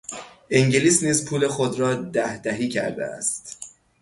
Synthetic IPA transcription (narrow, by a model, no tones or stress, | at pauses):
ʔiŋɟeliːsniːzpʰuːle̞xod̪ɾɒːd̪æhd̪æɦiːcʰæ̰ɾd̪ḛæ̰st̪